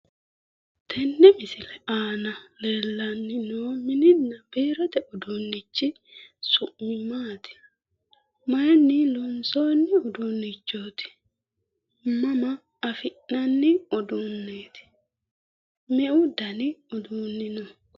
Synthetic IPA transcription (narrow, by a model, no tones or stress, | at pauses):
t̪ʰɛnːɛmɪsɪlɛaːnɐleːlːɐnːɪnoːmɪnɪnːɐbeːɾɔt̪ɛʔɔd̪unːɪt͡ʃːɪ | sʊʔmɪmaːt̪ɪ̥ | mɐjnːɪlɔnsoːnːɪɔd̪unːɪt͡ʃːoːt̪ɪ̥ | mɐmɐː | fɪʔnɐnːɪɔd̪uːnːeːt̪ɪ̥ | mɛʔʊd̪ɐnɪɔd̪uːnːɪnɔ